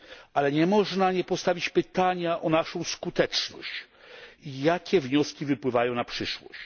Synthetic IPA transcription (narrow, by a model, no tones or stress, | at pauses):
ʔalɛɲɛmɔʐnaɲɛpɔst̪avʲit͡ɕpɘt̪aɲaʔɔnaʂɔ̃w̃skut̪ɛt͡ʂnɔ̰ɕt͡ɕ | ijakʲɛvɲɔskʲivɘpwɘvajɔ̃w̃napʂɘʂwɔ̰ɕt͡ɕ